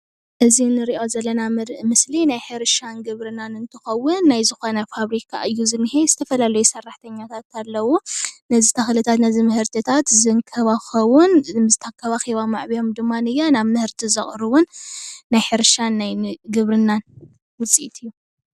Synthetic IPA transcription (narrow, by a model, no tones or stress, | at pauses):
ʔɨzinɨɾiʔo̞zɐlːɐnamɨɾʔmɨslinajħɨɾʃanɡɨβɾɨnanɨnt̪ʰɨ̥xɐwʊnːajzɨxonɐfaβɾikʰa̰ʔɨjːuzɨnːɨhejzɨt̪ʰɐfɐlalɐjusɐrːaħt̪ʰɐɲːat̪ʰat̪alːɐwunɐzit̪ʰaxlɨt̪ʰat̪nɐzimɨhɨɾt̪ʰit̪ʰat̪zɨŋkʰɐβaxɐwʊnmzɨt̪ʰakʰːɐβaxiβamaʕβijo̞md̪ɨmːanɨjanaβmɨhɨɾt̪ʰizɐχʼɾɨwʊnːajħɨɾʃanːajɡɨβɾɨnːan | wɨt͡sʼiʔit̪ʰɨjːu